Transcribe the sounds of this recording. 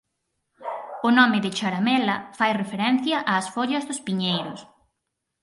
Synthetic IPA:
ʊnɔmɪðɪt͡ʃaɾamɛlɐfajrefeɾɛn̟θjɐʔaːsfoʎɐzðʊspiɲejɾʊs

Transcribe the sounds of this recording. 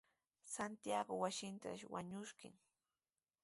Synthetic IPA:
sant̪jaɡowasɪnt̪a̰ʃwa̰ɲʊʃkɪ̰ŋ

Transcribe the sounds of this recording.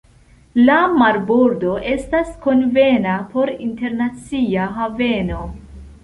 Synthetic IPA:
lamaɾboɾdo̞ʔe̞stasko̞nve̞napo̞ɾinte̞ɾnat͡siaɦave̞no̞

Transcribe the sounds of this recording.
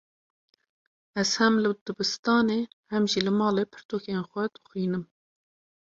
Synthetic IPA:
ɛz̥hɛmlɨd̪̥ɨbɨst̪ɑːneːhɛmʒilɨmɑːleːpʰɨɾt̪oːkenxʷɛd̪̥ɨ̥xʷiːnɨm

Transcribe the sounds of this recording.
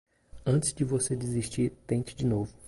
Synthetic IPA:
ɐ̃t͡ʃɪzd͡ʒɪvosedɪziʃt͡ʃiɾt̪ẽt͡ʃɪ̥d͡ʒɪnovʊ

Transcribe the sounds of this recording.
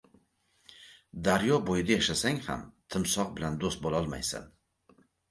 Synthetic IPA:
d̪aɾjɒbojɪd̪ajaʃasaŋha̰mt̪ʰɪmsɒq̚bɪland̪ost̪̚bolˠɒlˠma̰jsɪ̰n

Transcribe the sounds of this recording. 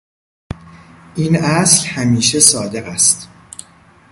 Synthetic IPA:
ʔiːnæschæmiːʃesɒːd̪e̞ɣæst̪

